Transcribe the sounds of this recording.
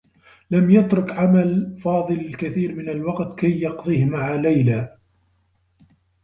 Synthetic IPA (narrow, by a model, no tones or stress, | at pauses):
lamjat̪ɾʊkʕamalfɑːðˤɨlkaθiːɾmɪnalwɑqt̪kajːɑqðˤiːhmaʕaːlajlaː